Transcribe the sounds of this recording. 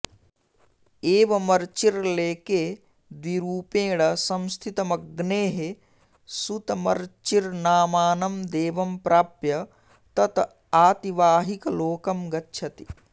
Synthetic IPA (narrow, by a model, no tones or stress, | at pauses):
eːʋɐmɐɾt͡ʃiɾleːkeː | d̪ʋiɾuːpẽːɽɐsɐmst̪ʰit̪ɐmɐɡneːɦe | sut̪ɐmɐ̰ɾt͡ʃiɾnaːmaːnɐmd̪eːʋɐmpɾaːpjɐ | t̪ɐt̪ | aːt̪iʋaːɦikɐloːkɐmɡɐtːʃʰɐt̪i̥